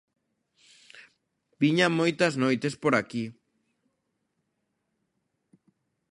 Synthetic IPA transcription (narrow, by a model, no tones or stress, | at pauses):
biɲamojt̪aznojt̪e̞spoɾaki